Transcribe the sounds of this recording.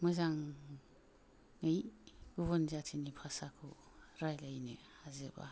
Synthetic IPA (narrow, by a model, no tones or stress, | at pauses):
mɯzaŋ | ɯjɡ̥uβɔnzatʰinipʰasakʰu | ɾajlajnehazeba̰